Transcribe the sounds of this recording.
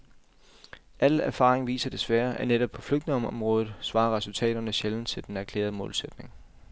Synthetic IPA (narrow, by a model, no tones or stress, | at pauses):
ʔælæɐfɑ̈ːʁeŋʋḭːsɐd̥e̝sʋæɐʔæneɾ̥ɒ̽b̥̚pʰɒ̽fløɡ̥d̥ne̝ŋɒ̽mɒ̽mʁɔːðð̩ˠsʋɑ̈ːɐʁɛsult͡sʰɛ̰ːɾ̥ɐnəɕeln̩t͡sʰe̝ld̥enæɐkʰlḛːɐð̞ˠəmɔ̽ːlsed̥ne̝ŋ